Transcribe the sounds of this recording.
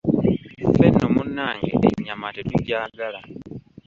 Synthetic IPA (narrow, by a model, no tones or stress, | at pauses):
fenomunːaːŋɡḛɲamatetuɟaːɡala